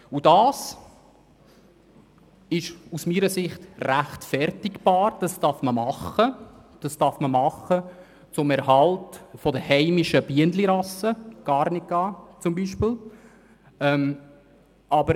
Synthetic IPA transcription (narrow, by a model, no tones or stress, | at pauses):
udɑːs | ɪʃusmiːɾəsɪχtræχtfɛɾtɪkb̥ɑːɾd̥ɑstɑɾfməmɑχəd̥ɑstɑɾfməmɑχːə | t͡sʊmɛɾɦɑltfɔdəhɛɪmiʃəb̥iəndliɾɑsəɡ̥ɑːɾnɪk̚ɡ̥ɑːt͡sʊmbiːʃpɪl | ɛm | ɑbəɾ